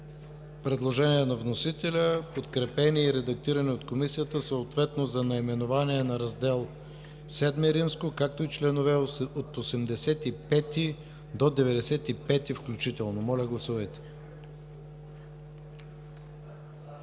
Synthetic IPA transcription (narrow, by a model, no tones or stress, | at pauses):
pɾɛd̪lˠoʒɛniɛnɐvnosit̪ɛlʲəpot̪kɾɛpɛniɛiɾɛd̪ɐk̚t̪iɾɐnɛot̪komisijət̪əsoot̪vɛt̪nozɐnɐimɛnovaniɛnɐɾɐzd̪ɛlˠ | sɛd̪mɛɾimskokak̚t̪oit͡ʃlɛnovɛot̪osɛmd̪ɛsɛt̪ipɛt̪i | d̪od̪ɛvɛd̪ɛsɛt̪ipɛt̪ifklʲut͡ʃit̪ɛlˠnomɔlʲɐɡlˠɐsuvəjt̪ɛ̥